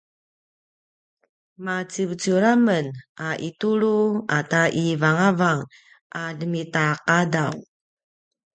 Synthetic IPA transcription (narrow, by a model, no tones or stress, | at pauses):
mat͡sibət͡suɾamənʔaʔituɾuataʔivaŋavaŋ | ʔadəmitaqadaw